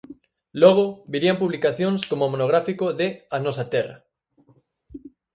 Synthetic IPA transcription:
loɣ̞obiɾiampuβlikaθjoŋskomomonoɣ̞ɾafikoðeanosat̪era̰

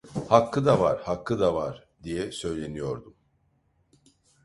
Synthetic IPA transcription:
hakʰːɯd̪avaɾhakʰːɯd̪avaɾ̥ | d̪ijɛsø̞jlʲe̞nijo̞ɾd̪um

